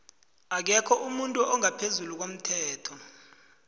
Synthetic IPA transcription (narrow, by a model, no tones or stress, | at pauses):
ak̬ɛkʰɔʔumuntʼuʔɔŋapʰezuluk̬om̩tʰɛːtʰɔ